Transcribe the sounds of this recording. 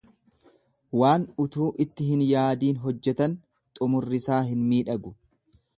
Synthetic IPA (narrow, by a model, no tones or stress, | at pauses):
waːnʊt̪uːʔɪt̪ːɪɦɪnjaːd̪iːnɦɔd͡ʒːɛt̪ɐn | t̪ʼʊmʊrːɪsaːɦɪnmiːᶑɐɡʊ